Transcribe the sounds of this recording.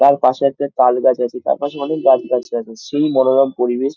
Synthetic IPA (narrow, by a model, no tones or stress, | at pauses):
t̪aɾpaʃeaɾ̚t̪at̪alɡat͡ɕʰat͡ɕʰet̪a̰ɾpaʃeɔnek̚ɡad͡ʑɡat͡ɕʰeat͡ɕʰeʃejmɔnoɾampoɾibeʃ